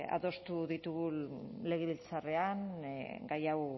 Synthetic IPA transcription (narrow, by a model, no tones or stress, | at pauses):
a̰ðo̞st̪uðit̪uɣule̞ɣeβilt͡sare̞anɡajaw